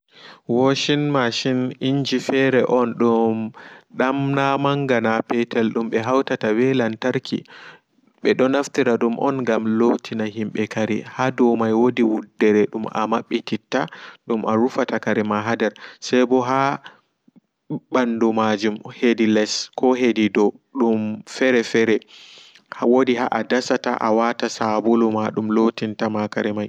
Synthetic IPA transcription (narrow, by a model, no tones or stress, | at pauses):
woʃinmaʃiniɲd͡ʒifɛɾɛʔɔnɗumɗamnamaŋɡanapɛtʰɛlɗumɓɛɦawtatawɛlantaɾkḭ | ɓɛɗɔnaftiɾaɗumʔɔ̰nɡamlowtʰinaɦimɓɛkaɾḭhadɔwmajwodiwudːɛɾɛɗuma̰maɓːititːaɗumʔaɾufatakaɾimaɦadɛɾsɛjbɔɦa | ɓanːdumad͡ʒumhedilɛskɔɦedidɔɗumfɛɾɛfɛɾɛ | wodiɦa̰ʔadasata̰ʔawatasabolumaɗumlotintamakaɾɛmaj